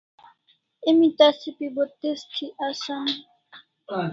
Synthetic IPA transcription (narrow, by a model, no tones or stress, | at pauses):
emit̪asipibot̪est̪ʰiʔasami